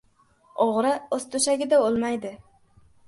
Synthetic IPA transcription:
oʁɾɪozt̪ʰʊʃaɡʲɪd̪aolˠmajd̪ɪ

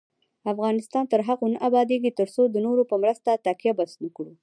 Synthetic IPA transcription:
afɣɑnɪst̪ɑnt̪əɾɦaɣonəʔabɑd̪eɡit̪əɾsod̪ənoɾopəmɾəst̪at̪akjabasnəkɽu

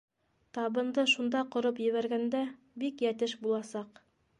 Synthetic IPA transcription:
t̪ɑβɤ̆nd̪ɤʃund̪ɑqŏɾopjɘ̆βæɾɡænd̪æ | bikjæt̪ɘʃbulˠɑsɑq

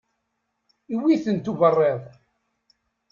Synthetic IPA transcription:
iwiθənt̪uvərˤːeðˤ

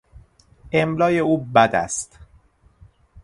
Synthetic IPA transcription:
emlɒːjeuːbæd̪æ̰st̪

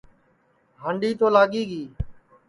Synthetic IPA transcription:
ɦəɳɖiːt̪oːlaːɠiːɠiː

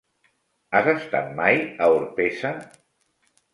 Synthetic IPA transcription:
azəst̪a̰t̪̚majəuɾpesə

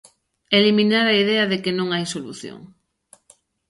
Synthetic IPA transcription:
eliminaɾaið̞eɐðekenõŋajsolṵθjo̰ŋ

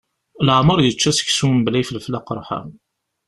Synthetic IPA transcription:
lʕməɾˤjət͡ʃːæsə̥çsumblæjflflɑqɾˤħa̰m

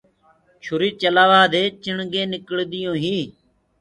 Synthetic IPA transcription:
t͡ʃʰʊɾiːt͡ʃəlaːʋaːd̪eːt͡ʃɪɳɡẽːnɪkəɭd̪ɪjõːɦiː

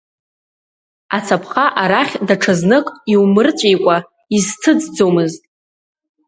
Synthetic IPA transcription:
at͡sʰapʰχaʔaɾaχʲdaʈ͡ʂʰaznɨkʼiwmɨrt͡sʷʼejkʷʼa | iztʰɨd͡zd͡zomɨztʼ

